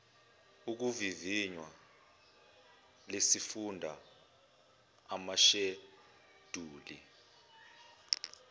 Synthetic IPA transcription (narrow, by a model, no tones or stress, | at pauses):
uk̬uviviɲwa | lesifundʱa | maʃe | d̥ʱuːlḭ